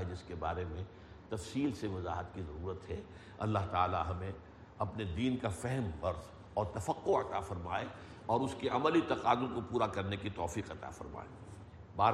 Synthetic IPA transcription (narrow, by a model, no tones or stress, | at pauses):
ɛd͡ʒɪskebaːɾemẽ | t̪ɐfsiːlseʋɐza̰ːɦət̪kizɐɾuːɾət̪ɦɛ | ɐ̰lːaɦt̪aːla̰ɦɐmẽ | ɐpned̪iːnkafɛɦɛmɣɐɾz | ɔːɾt̪ɐfəqːoɐt̪afɐɾmaːe | ɔːɾʊskeʔɐməlit̪ɐqaːd̪ʊlkopuːɾakɐɾnekit̪ɔːfiːqɐt̪a̰fɐ̰ɾma̰ːe | baː